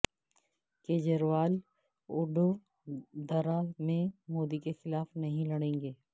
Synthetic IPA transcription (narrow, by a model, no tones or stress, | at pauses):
keːd͡ʒəɾʋaːl | ʊɖo | d̪ɐɾamẽmoːd̪ikexɪlaːfnɐɦĩlɐɽẽːŋɡeː